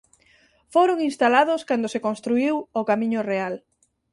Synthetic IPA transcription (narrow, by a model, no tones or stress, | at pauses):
foɾʊŋinst̪alaðʊskand̪ʊsekõnst̪ɾuiwʊkamĩɲʊreal